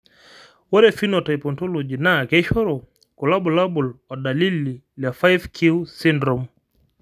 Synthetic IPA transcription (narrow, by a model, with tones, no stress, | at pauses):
wɔ˦ɾɛfi˦nɔta˨jpɔnto˦lod͡ʒi˨na˨kɛʃɔ˦ɾɔ | kɔ˨la˦bɔ˨labu˨lɔ˨da˨li˦li˨ | lja˨fa˦jvkʰiwsindɾɔm